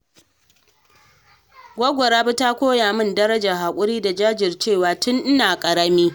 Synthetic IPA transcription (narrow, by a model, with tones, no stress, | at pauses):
ɡʷɔ˦ɡʷɔ˨ɾaː˦bʊ˦ta˦kʷoː˦jaː˨mʊ˦˨ndɐ˦ɾɐ˦d͡ʒa˨ɦaː˨kʷʼʊ˦ɾiː˦da˨d͡ʒaː˦d͡ʒɪ˨rt͡ʃeː˦˨waː˨tʊ˦nʔɪ˦naː˨kʼɐ˨ɾɐ˦miː˦